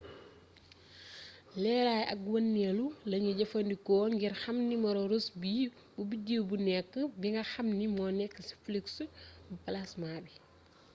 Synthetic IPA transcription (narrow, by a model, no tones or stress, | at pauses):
lɛːɾaːjʔɐkwɐnːɛlulɐɲuɟɐfɐndikɔːŋɡirxɐmnimɐɾɔɾusbiː | bubiɟiwbunɛkːəbiŋɡɐxɐmnimɔːnɛkːəsi̥fliksbupɐlasmaːbi